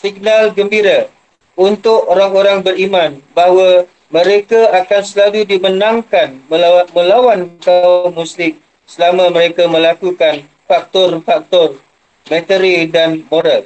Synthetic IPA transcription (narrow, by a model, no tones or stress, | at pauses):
siɡ̚nalɡəmbiɾa | unt̪ʊkoɾaŋoɾaŋbərimãnbaɦwa | mə̃ɾekaakansəlaludimənãŋkanəmə̃lawankamuslɪk | səlamãməɾekamə̃lakukan | fak̚t̪ɔrfak̚t̪ɔr | mɛ̃t̪əɾidanmoɾal